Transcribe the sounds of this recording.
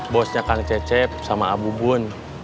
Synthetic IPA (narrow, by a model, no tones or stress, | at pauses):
bɔsɲakaŋt͡ʃɛt͡ʃɛp̚samaabubun